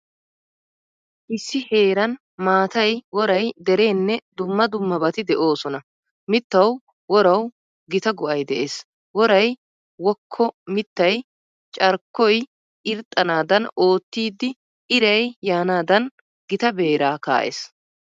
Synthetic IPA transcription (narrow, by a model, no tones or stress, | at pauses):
ʔɪsːɪhe̞ːɾɐn | maːt̪ɐjwɔɾɐjd̪ɛɾe̞ːnːɛd̪ʊmːɐd̪ʊmːɐbɐt̪ɪd̪ɛʔo̞ːsɔnɐ | mɪt̪ːɐw | wɔɾɐw | ɡɪt̪ɐɡʊʔɐjd̪ɛʔeːs | wɔɾɐj | wɔkʰːɔmɪt̪ːɐj | t͡ʃʼɐɾkːɔj | ʔɪɾt̪ʼːɐnaːd̪ɐno̞ːt̪ːiːd̪ːɪ | ɪɾɐjjaːnaːd̪ɐn | ɡɪt̪ɐbe̞ːɾaːka̰ːʔḛːs